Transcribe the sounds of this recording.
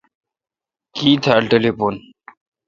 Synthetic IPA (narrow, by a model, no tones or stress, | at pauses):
kiːt̪ʰalʈelepon